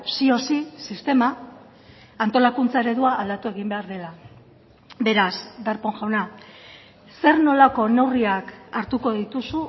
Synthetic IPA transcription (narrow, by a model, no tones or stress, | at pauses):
sio̞sisist̪e̞maː | nt̪o̞lakunt͡sae̞ɾe̞ðuaʔːld̪at̪ue̞ɣimbe̞aɾðe̞la | be̞ɾasd̪aɾpo̞ŋʝawna | se̞ɾno̞lako̞ne̞wriakaɾt̪uko̞ðit̪usu